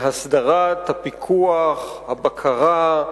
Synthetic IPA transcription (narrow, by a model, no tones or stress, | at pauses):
ɦasd̪aʁat̪hapikʰuaχhabakʰaʁa